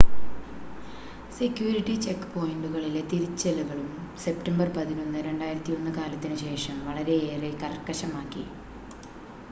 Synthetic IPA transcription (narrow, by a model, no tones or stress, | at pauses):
sekːjuːɾiʈːit͡ɕe̞kːɨpo̞ːjiɳɖuɣɐɭilet̪iɾit͡ɕːelɐɣɐɭumse̞pʈɐmbɐrpɐðino̞nːɨɾe̞ɳɖaːjiɾɐt̪ːijo̞nːɨkaːlɐt̪ːinɨɕe̞ːʂɐmʋɐɭɐɾe̞eːrekɐrkːɐɕɐmaːkːḭ